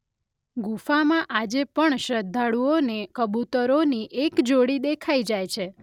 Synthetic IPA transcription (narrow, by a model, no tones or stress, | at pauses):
ɡufamãʔad͡ʒepəɳʃɾəd̪ʱːaɽuonekəbut̪əɾoniʔekd͡ʒoɽid̪ekʰajd͡ʒajt͡ʃʰe